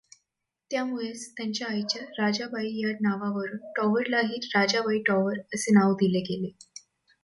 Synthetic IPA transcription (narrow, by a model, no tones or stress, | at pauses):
t̪jamuɭet͡st̪jaɲt͡ɕjaːjt͡ɕjaɾad͡ʑabaijaɾnaʋaʋəɾuːnʈɔʋəɾlaɦiːt̪ɾad͡ʑabʱaiʈɔʋəɾəsenaʋd̪ileɡele